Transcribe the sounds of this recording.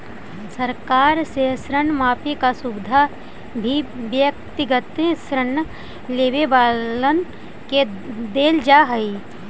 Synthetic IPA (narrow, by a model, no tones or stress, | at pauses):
səɾkaːɾsesɾənmaːpʰikasubɪd̪ʱa | bʱibjək̚t̪ɪɡət̪sɾənː | leːʋebaːlən | ke | d̪eːld͡ʒaɦəi